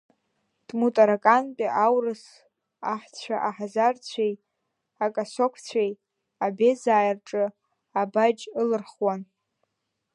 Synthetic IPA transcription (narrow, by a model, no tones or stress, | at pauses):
tʼmutʼaɾakʼanpʼiʔawrɨs | aħt͡ɕʷʰaʔaħazart͡sʷʰej | akʼasokʷʰt͡sʷʰej | abe̞zaːjrʈ͡ʂʼɨ | abad͡ʒɨlɨrχwan